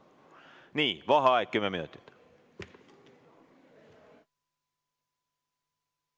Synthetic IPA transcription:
niːʋɑɦɑɑjkkːymːeminṵt̪ːˑit̪

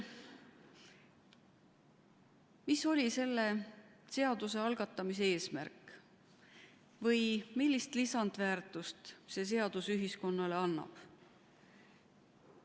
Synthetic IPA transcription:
miso̞lʲise̞lːe̞se̞ɑd̪̥use̞ɑlɡ̥ɑt̪ːˑɑmis̬ee̞ːsmæ̰rk | vɤjmilʲːist̪lisɑnd̪væːrt̪ˑust̪se̞s̬e̞ɑd̪̥usyɦisko̞nːɑle̞ɑnːɑ̰b̥

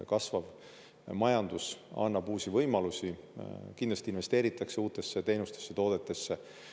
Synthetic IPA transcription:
kɑsvɑv | mɑjɑnd̪̥usɑ̰nːɑb̥uːsivɤjmɑlusikind̪lɑst̪inve̞st̪eːɾit̪ːˑɑkse̞uːt̪ːˑe̞sːe̞t̪e̞jnust̪e̞sːe̞t̪o̞ːd̪e̞t̪ːˑe̞sːe̞

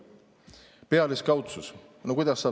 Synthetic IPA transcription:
peɑleskɑwt̪sus | nokujd̪ɑsːɑ

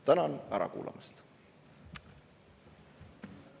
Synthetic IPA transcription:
t̪ænɑnæɾɑ̰kṵːlʔɑ̰mist̪

